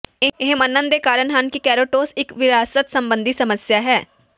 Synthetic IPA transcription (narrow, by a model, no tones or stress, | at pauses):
ɪɪɦmənːənd̪eːkaːɾəɳɦənkikɛːɾoːʈoːsɪkʋɪɾaːsət̪səmbə̃nd̪isəməsjaːɦɛː